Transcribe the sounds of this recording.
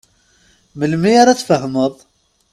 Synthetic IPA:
məlmiaɾat͡sːfəhməðˤ

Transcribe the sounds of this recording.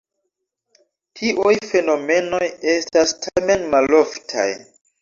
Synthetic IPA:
tʰiʔujfe̞no̞me̞no̞je̞stastʰame̞nmalo̞ftʰa̰j

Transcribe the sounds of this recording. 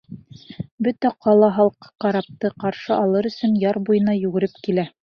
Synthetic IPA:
bɵt̪æqʰɑlˠɑɦɑlˠqɤ̥qɑɾɑp̚t̪ɤqɑɾʃɤʔɑlˠɤɾɵ̆sɵnjɑɾbujɤ̆nɑjʉɡɘ̆ɾɘpkilæ

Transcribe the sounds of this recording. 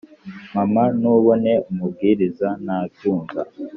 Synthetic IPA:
mamanuβo̞ne̞umub̚ɡiɾizanaβjuːŋɡa̰

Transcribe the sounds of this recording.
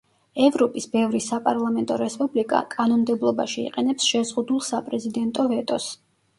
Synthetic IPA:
ɛvɾɔpʼisbɛvɾisapʼaɾlˠamɛnt̪ʼɔɾɛspʼublikʼa̰kʼanɔnmd̪ɛblˠɔba̰ʃiḭqʼɛnɛpsʃɛzʁud̪ulˠsapʼɾɛzid̪ɛnt̪ʼɔvɛt̪ʼɔs

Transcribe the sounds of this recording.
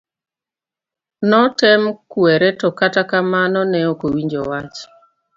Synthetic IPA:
nɔtɛmkwɛɾɛtɔkatakamanɔnɛokowiɲd͡ʒo̰wat͡ʃ

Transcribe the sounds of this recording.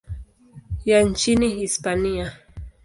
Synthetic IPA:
jant͡ʃiniɦispania

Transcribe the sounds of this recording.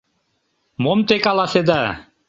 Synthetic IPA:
momt̪ekalˠased̪a

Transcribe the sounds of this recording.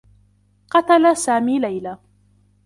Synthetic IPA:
qɑt̪alasaːmiːlajlaː

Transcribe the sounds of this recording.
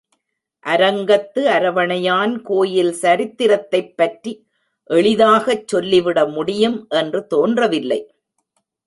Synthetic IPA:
ʔɐɾɐŋɡɐt̪ːɯɐɾɐʋɐɳɐjaːnkoːjɪlsɐɾɪt̪ːɪɾɐt̪ːɐɪpːɐʈri | ʔɛɭɪðaːɣɐt͡ʃːɔlːɪʋɪɽɐmʊɽɪjɯmʔɛndrɯt̪oːndrɐʋɪlːɐ̰ɪ

